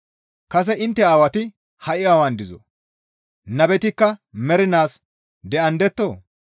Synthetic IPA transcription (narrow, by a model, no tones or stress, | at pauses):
kɐs̬ɛʔɪnt̪ːɛaːwɐt̪ɪ | hɐʔɪaːwɐnd̪ɪzɔ̰ | nɐbɛt̪ɪkːɐmɛɾɪnaːs | d̪ɛʔɐnd̪ɛt̪ːoː